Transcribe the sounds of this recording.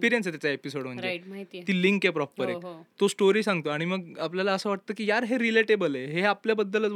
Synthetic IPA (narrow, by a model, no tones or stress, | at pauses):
piɾijənset̪jat͡saepisoɽm̤əɳd͡ʑeɦit̪iːliŋkepɾɔpːəɾekt̪osʈoɾiːsãŋɡ̚t̪oaɽ̃iməɡapljalaəsəːʋaʈ̚t̪əːkiːjaɾɦeɾileʈebəleɦeapljabəd̪ːələt͡s